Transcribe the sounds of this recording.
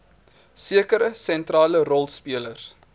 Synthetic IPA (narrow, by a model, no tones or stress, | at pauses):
siəkəɾəsɛntrɑːlərɔlˠspiələrs